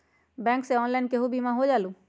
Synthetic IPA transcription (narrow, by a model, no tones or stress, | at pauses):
bɛ̃ːŋkseɔːnlaɪnkeɦubimãɦod͡ʒaːlũː